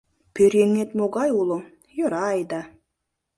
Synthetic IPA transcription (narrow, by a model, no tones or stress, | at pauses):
pʰøɾʲeŋːet̪moɡɑjulˠo | joɾɑjd̪ɑ